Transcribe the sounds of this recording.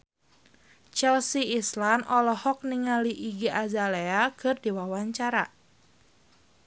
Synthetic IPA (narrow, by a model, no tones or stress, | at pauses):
t͡ʃɛlsiislanʔɔlɔhɔk̚niŋaliʔiɡiʔazaleakʰɨrdiwawaɲt͡ʃaɾa